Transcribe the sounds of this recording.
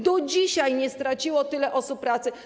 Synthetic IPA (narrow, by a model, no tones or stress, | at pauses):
d̪ɔd͡ʑiɕajɲɛst̪ɾat͡ɕiwɔt̪ɘlɛʔɔsup̚pːɾat̪sɘ